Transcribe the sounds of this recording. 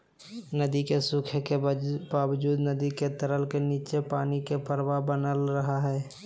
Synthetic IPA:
nəd̪ikesʊkʰkebaːwd͡ʒuːd̪nəd̪iket̪əɾəlkeniːt͡ʃepaːnikepəɾwabənəlɾəɦaɦɛː

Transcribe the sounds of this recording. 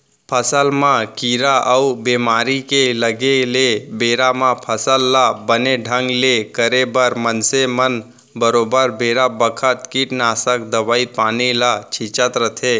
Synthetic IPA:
pʰəsəlmãkiɾaʔəubemaɾikeləɡelebeɾamãpʰəsəlːabəneɖʱəŋɡlekəɾebəɾmənsemən | bəɾobəɾbeɾabəkʰət̪kiʈnasəkd̪əʋaipanilat͡ʃʰit͡ʃət̪ɾət̪ʰe

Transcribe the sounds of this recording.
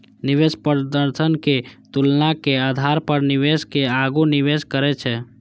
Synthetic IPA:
niʋespəɾd̪əɾt̪ʰənket̪ulnakead̪ʱaɾpəɾniʋeskeaɡuniʋeskəɾɛt͡ʃʰɛ

